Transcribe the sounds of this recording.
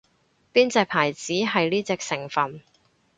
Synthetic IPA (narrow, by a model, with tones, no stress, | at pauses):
piː˥nt͡sɛː˨˧k̚pʰaː˨˩jt͡siː˨˥ɦɐ˨jliː˥t͡sɛː˨˧k̚sɪ˨˩ŋfɐ˨n